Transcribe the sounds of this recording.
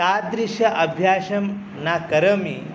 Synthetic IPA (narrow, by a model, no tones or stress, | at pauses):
ad̪ɾiʃɐʔɐbʱjaːɕɐm | nakɐɾɐmi